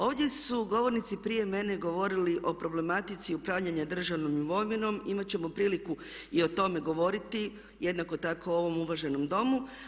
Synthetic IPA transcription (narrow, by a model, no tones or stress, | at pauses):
o̞ːʋd̪je̞suɡo̞ʋo̞ɾnit̪sipɾije̞me̞ne̞ɡo̞ʋo̞ɾiliʔo̞pɾo̞ble̞mat̪it̪siupɾaʋʎaɲad̪r̩ʒaʋno̞miʋo̞mino̞mimat͡ɕe̞mo̞pɾiːliku | io̞t̪o̞me̞ɡo̞ʋo̞ɾit̪i | je̞d̪nako̞t̪akoo̞ʋo̞muʋaʒe̞no̞md̪o̞mu